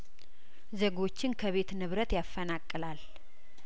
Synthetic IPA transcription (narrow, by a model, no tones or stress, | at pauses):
zeɡo̞t͡ʃːɪnkʰəβe̞t̪nɨβɾət̪jafːənakʼːɨlal